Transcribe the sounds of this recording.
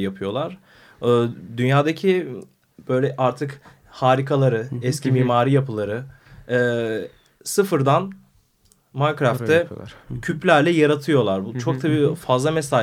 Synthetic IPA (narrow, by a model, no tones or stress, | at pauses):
japʰɯjo̞lˠaɾ̥ː | d̪ynjaːd̪acʰi | b̥ø̞jlʲɛʔaɾt̪ʰɯk | haːɾikʰalˠaɾɯɛscʰimiːmaːɾijapʰɯlˠaɾɯː | sɯfɯɾd̪an | mankɾaft̪ːɛcʰyplʲæɾlʲɛjaɾat̪ʰɯjo̞lˠaɾbut͡ʃʰo̞kt̪ʰabiːfazlˠamɛsaː